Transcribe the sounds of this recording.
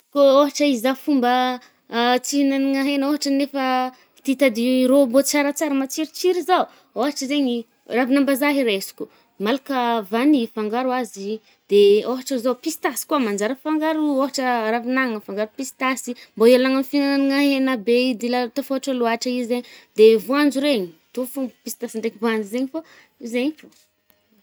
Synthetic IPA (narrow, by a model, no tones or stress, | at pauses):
kooɦaʈ͡ʂaizafumbə | t͡siɦinaniŋaɦenoɦaʈ͡ʂənefə | t̪it̪ad̪iɾombot͡saɾat͡saɾamat͡siɾit͡siɾizau | oɦaʈ͡ʂəzeɲi | ravinambazaɦiɾesi̥ku | malakəvanifaŋɡaɾwazi | d̪̥eoɦaʈ͡ʂəzawpist̪asi̥kuamand͡ʒaɾəfaŋɡaɾuoɦaʈ͡ʂəɾavinaŋəfaŋɡaɾupisi̥t̪asimboialaŋamfinananiŋaɦenabed̪ilat̪afoɦaʈ͡ʂaluaʈ͡ʂəizeɲd̪evuand͡zuɾeɲit̪ofupisi̥t̪asiɳɖ͡ʐekivuand͡ʒizeɲifa | izeɲifu